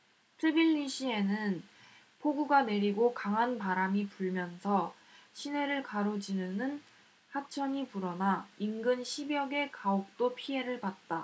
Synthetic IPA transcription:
tʰɯbiʎːiɕʰie̞nɯn | pʰoɡuɡane̞ɾiɡokaŋɦanpaɾamipuɭmjʌnsʰʌ | ɕʰine̞ɾɯɭkaɾod͡ʑinɯnɯn | hat͡ɕʰʌɲipuɾʌnainɡɯnɕʰibjʌɡe̞kaok̚t͈opʰie̞ɾɯɭpat̚t͈a

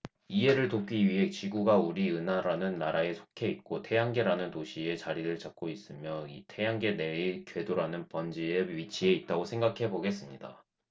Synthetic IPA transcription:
ie̞ɾɯɭtop̚k͈iɥiɦe̞t͡ɕiɡuɡauɾiɯnɦaɾanɯnːaɾaesʰo̥kʰe̞it̚k͈otʰe̞jaŋɡe̞ɾanɯntoɕʰie̞t͡ɕaɾiɾɯɭt͡ɕak̚k͈ois͈ɯmjʌitʰe̞jaŋɡe̞ne̞ikjwe̞doɾanɯnpʌnd͡ʑieɥit͡ɕʰie̞it̚t͈aɡosʰeŋɡakʰe̞boɡe̞s͈ɯmɲida̰

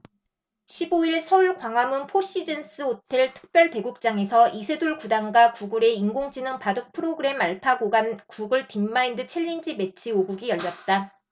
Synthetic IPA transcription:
ɕʰiboiɭsʰʌuɭkwaŋwamunpʰoɕ͈id͡ʑe̞ns͈ɯotʰe̞ɭtʰɯ̥k̚p͈jʌɭte̞ɡuk̚t͡ɕ͈aŋe̞sʰʌʔisʰe̞doɭkudaŋɡakuɡɯɾe̞iŋɡoŋd͡ʑinɯŋpadɯk̚pʰɯɾoɡɯɾe̞maɭpʰaɡoɡankuɡɯɭtimːaindɯt͡ɕʰeʎːind͡ʑime̞t͡ɕʰioɡuɡijʌʎːʌt̚t͈a

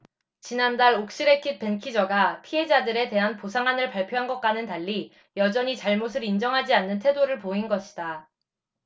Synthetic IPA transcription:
t͡ɕinandaɭok̚ɕ͈iɾe̞kʰit̚pe̞nkʰid͡ʑʌɡapʰie̞d͡ʑadɯɾe̞te̞ɦanposʰaŋɦanɯɭpaɭpʰjoɦanɡʌk͈anɯntaʎːi | jʌd͡ʑʌɲit͡ɕaɭmos̬ʰɯɾind͡ʑʌŋɦad͡ʑianːɯntʰe̞doɾɯɭpoinɡʌɕʰi̥da

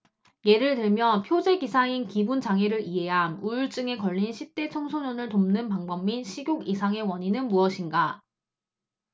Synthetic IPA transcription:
je̞ɾɯɭtɯɭmjʌpʰjod͡ʑe̞ɡisʰainkibunt͡ɕaŋɦeɾɯɾiɦe̞ɦanuɭt͡ɕ͈ɯŋe̞kʌʎːinɕʰip̚t͈e̞t͡ɕʰʌŋsʰoɲonɯɭtomnɯnpaŋbʌmːinɕʰiɡʲjoɡisʰaŋe̞wʌɲinɯnmuʌɕʰinɡa

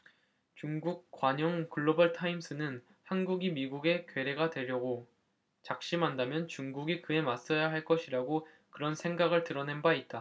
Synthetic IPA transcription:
t͡ɕuŋɡuk̚k͈waɲʌŋkɯɭːobaɭtʰaims͈ʰɯnɯn | hanɡuɡimiɡuɡe̞kwe̞ɾe̞ɡadwe̞ʎjʌɡo | t͡ɕak̚ɕ͈imɦandamjʌnt͡ɕuŋɡuɡikɯe̞mas͈ʌjaɦaɭk͈ʌɕʰiɾaɡo | kɯɾʌnsʰe̞ŋɡaɡɯɭtɯɾʌne̞nbait̚t͈a

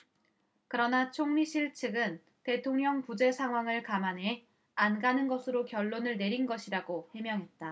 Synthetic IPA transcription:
kɯɾʌnat͡ɕʰoŋɲiɕʰiɭt͡ɕʰɯɡɯn | te̞tʰoŋɲʌŋpud͡ʑe̞sʰaŋɦwaŋɯɭkamanɦe | anɡanɯnɡʌsʰɯɾokjʌɭːonɯɭne̞ɾinɡʌɕʰiɾaɡohwe̞mjʌŋɦe̞t̚t͈a

